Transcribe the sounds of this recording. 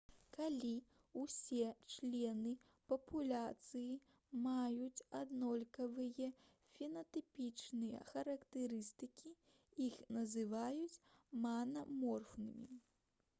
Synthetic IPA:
kalʲi | wsʲɛt͡ʂlʲɛnɨ | pɐpʰulʲat̪sɨji | majut͡sʲad̪nɔlʲkɐvɨjɐ | fʲɛnɐt̪ɨpʲit͡ʂnɨjɐ̰xɐɾɐkt̪ɨɾɨst̪ɨkʲi | ixnɐzɨvajut͡sʲmanɐmɔrfnɨmʲḭ

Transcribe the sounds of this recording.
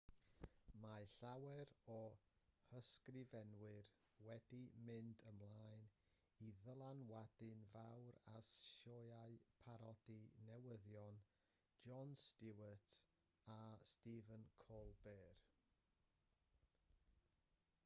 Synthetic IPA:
maɬawɛɾɔhəskrɪvɛnwɨr | wɛdimɪndəmlˠaɨn | iðəlˠanwadɨnvawɾasʃɔjaɨpʰaɾɔd̥inɛwəðjɔn | d͡ʒɔnstɪwətʰ | astivənkʰɔlˠbeːr

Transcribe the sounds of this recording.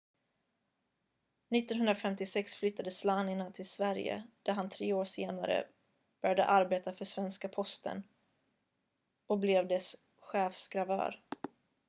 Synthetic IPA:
nɪt̪ːɔnɦɵnd̪ɾafɛmt̪ɪsɛksflʏt̪ːad̪əslaːnɪnat̪ʰɪlsvæɾjə̰d̪̥æɾɦant̪ʰɾeːoːʂeːna̰ɾə̰ | b̥œɾjad̪ə̰ʔaɾbeːt̪afœʂvɛnskapʰɔst̪ə̰n | ɔkblɛvd̪ɛs | ɧɛːfsɡɾavœ̰ːɾ

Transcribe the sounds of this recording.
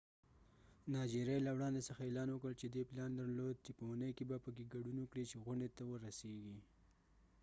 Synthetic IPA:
nɑd͡ʒiɾjajlawɽɑnd̪esəxaelɑnwəkəlt͡ʃed̪eplɑnd̪aɾlod̪̚t͡ʃepəwunəjkebapəkeɡaɖunwəkɽit͡ʃeɣʊɳɖet̪awəɾaseɡi

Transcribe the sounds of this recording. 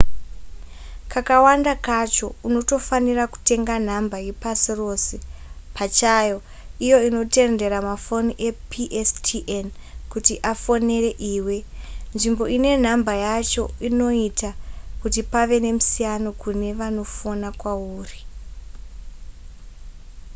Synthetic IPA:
kakawandakat͡ʃo̞uno̞to̞faniraku̥te̞ŋɡan̤ambajepasiro̞sepʰat͡ʃajo̞ | ijo̞ino̞te̞nde̞ɾamafo̞niʔe̞pʰiʔestʰiʔen | kutiʔafo̞ne̞re̞ʔiːwe̞nʐimbo̞ine̞n̤ambajat͡ʃo̞̰ino̞itakutipaʋe̞ne̞musijano̞kune̞ʋano̞fonakwauːri

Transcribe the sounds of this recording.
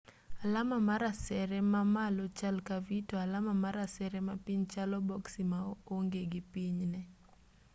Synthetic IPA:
alamamaɾasɛɾɛmamalɔt͡ʃalkavitɔalamamaɾasɛɾɛmapiɲt͡ʃalɔbɔksimaoŋɡeɡɪpiɲnɛ

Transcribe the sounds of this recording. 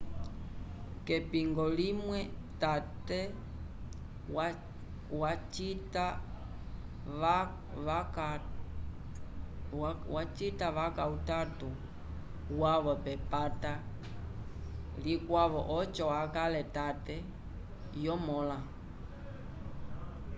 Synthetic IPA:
kɛpiŋɡɔlimwɛtatɛ | wat͡ʃita | wat͡ʃitaʋakautatu | waβɔpɛpata | likwaβɔʔɔt͡ʃɔwakalɛtatɛ | jɔmɔla

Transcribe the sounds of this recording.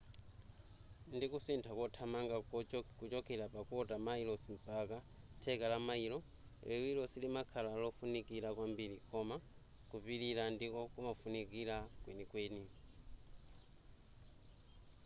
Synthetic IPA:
ndikusintʰakɔtʰamaŋɡakut͡ʃɔkɛɾapakɔtamailɔsim̩paka | tʰɛkalamailɔ | ɛwilɔsilimakʰalalɔfunikiɾakwambiɾikɔma | kupiɾiɾandikɔkumafunikiɾakwɛnikwɛːni

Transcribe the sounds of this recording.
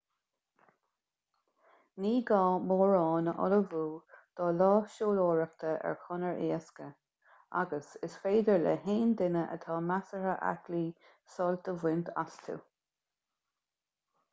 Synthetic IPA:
niːɡɑːmoːɹɑːnəʔɔ̰ləvuːd̪̥ɑːlɑːʃoːloːɹək̚t̪ʰəʔɛ̰ɹkʰɔnəɹʔḛːəskə | a̰ɡəsɪsfeːd̪əɹlɛ̰ɦeːnd̪ɪnəʔə̰t̪ʰɑːmasəɹəʔa̰kliː | sɔlt̪əvwɪnt̪ʰa̰st̪ʰṵ

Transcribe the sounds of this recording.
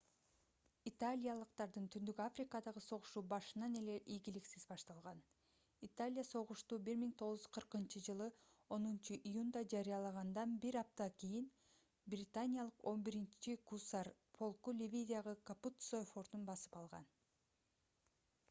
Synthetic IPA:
it̪alʲijalˠɯqt̪ɑɾd̪ɯnt̪ʰynd̪ykafrʲikɑd̪ɑʁɯso̞ʁuʃuːbɑʃɯnɑne̞le̞ʔijɡiliksizbɑʃt̪ɑlˠʁɑn | it̪alʲɪjaso̞ʁuʃt̪uːbiɾmiŋt̪ʰo̞ʁzz̥qʰɯɾqɯnt͡ʃɯd͡ʒɯlˠɯ | o̞nunt͡ʃɯʔijund̪ɑd͡ʒɑɾijɑlˠɑʁɑnd̪ɑnbiɾɑp̚t̪ɑkʲijin | brʲɪt̪anʲijalˠɯqo̞nbiɾint͡ʃikusɑr | pʰo̞lˠkulʲivʲid̪ʲijaʁɯkaput̪sojfo̞ɾt̪unbɑsɯ̥pɑlˠʁɑ̰n

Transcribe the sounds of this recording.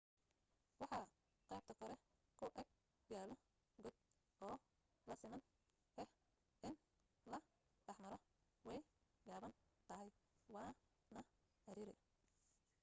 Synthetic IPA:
wɑħɑ | qɛjb̚t̪ʰɐkʰɔɾɛ | kʰʊʔɛɡ̚ | ɡaːlɔ | ɡɔd̪̚ | ʔɔː | lɐsɪmɐnʰ | ɛh | ʔɪn | lɐ | ɖɑħmɐɾɔ | wɛjɡaːβɐnt̪ʰɐɦɛjwɑː | nɐ | ɐɾiːɾɛ̰

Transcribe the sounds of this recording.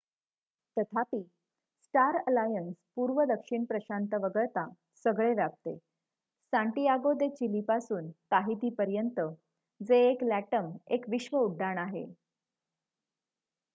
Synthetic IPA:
t̪ət̪ʰapiː | sʈaɾəlajənspuːɾʋəd̪əkʂiɳpɾəɕant̪əʋəɡəɾt̪a | səɡɭeʋjap̚t̪ḛ | sãɳʈijaɡod̪et͡ɕilipasuːnt̪aɦit̪iːpəɾjənt̪ə | d͡zeːklæʈəmekʋiɕʋəuɖʱːaɳaɦḛ

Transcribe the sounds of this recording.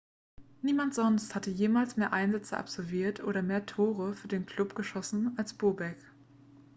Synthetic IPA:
niːmantz̥ɔnsthatəjeːmaːlsmeːɐʔaɪnzɛt͡səʔa̰pz̥ɔlviːɐtʰʔo̰ːɾɐmeːɐtʰoːʁəfyːɐdeːnkʰl̥ʊpɡ̥əʃɔsn̩alsb̥oːɐbɛk

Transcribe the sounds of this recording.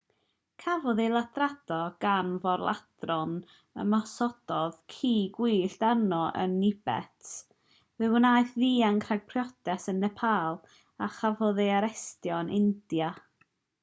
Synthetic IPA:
kʰavɔðelˠadrad̥ɔɡ̥anvɔrlˠa̰d̥rɔn | ə̰masɔd̥ɔð̥kʰiːɡwiːɬd̥anɔʔə̰nːɪbɛ̰tʰ | vɨwənajθðiːankʰraɡ̥̚pʰrjɔdɛsənðɛpʰaːlˠ | aχavɔðeaɾɛstjɔnʔɪnd̥ja

